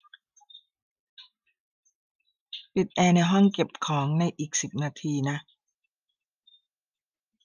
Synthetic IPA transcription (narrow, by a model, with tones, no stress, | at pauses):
pi˨˩t̪̚ʔɛː˧na˧jɦɔ˥˩ŋke˨˩p̚kʰɔː˩˦ŋna˧jʔiː˨˩k̚si˨˩p̚naː˧t̪ʰiː˧na˦˥ʔ